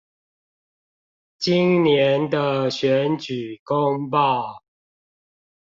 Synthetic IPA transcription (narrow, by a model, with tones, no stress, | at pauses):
t͡ɕi˦nnjɛ˨˦nd̪ə˧ɕɥɛ˨˦nt͡ɕy˨˩ko˦ŋpɑ˥˨ʊ